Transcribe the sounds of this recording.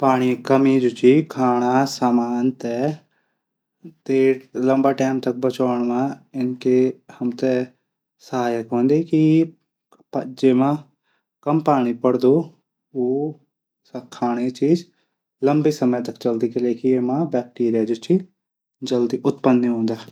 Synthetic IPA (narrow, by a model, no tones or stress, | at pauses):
paːɽ̃iːkəmiːd͡ʒʊt͡ʃiːkʰaːɽ̃aːsaːmaːnt̪ɛː | t̪eːɽləmbaːʈɛːmt̪ək̚bət͡ʃaːɳ̃ʋãːɪnkehəmt̪ɛ | səɦaːjəkɦõːnd̪eːki | pəd͡ʒeːmãː | kəmpaːɽ̃iːpəɽd̪oː | oː | kʰːaːɽ̃eːt͡ʃiːd͡ʒ | ləmbiːsəməjːt̪əkt͡ʃəld̪iːkəleːkieːmãːbɛːk̚ʈiːɾijaːd͡ʒʊt͡ʃiː | d͡ʒəld̪iːʔʊt̪pənːeɦõːnd̪aː